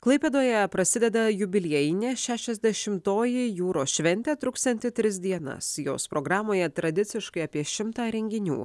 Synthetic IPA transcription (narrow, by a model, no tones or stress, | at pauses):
klˠɐɪpʲeːd̪oːjɛpɾɐsʲɪd̪ʲɛd̪ɐjʊbʲɪlʲeɛjɪnʲeːʃʲæːʃʲɛzʲd̪ʲɛʃʲɪmt̪oːjɪjuːɾoːʃʲʋʲɛnʲt̪ʲæːt̪ɾʊkst̪ʲɛnʲt̪ʲɪt̪ʲɾʲɪs̬d̪ʲiɛnɐ̰sjo̰ːspɾoːɡɾɑːmoːjɛt̪ɾɐd̪ʲɪt̪sʲɪʃkɐɪɐːpʲiɛʃʲɪmt̪ɑːɾʲɛŋʲɡʲɪnʲṵː